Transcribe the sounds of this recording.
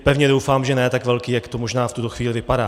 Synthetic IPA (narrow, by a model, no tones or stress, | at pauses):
pɛvɲɛdo̞wfaːmʒɛnɛjt̪akvɛlkiːjakt̪omo̞ʒnaːft̪ut̪oxviːlɪvɪpadaː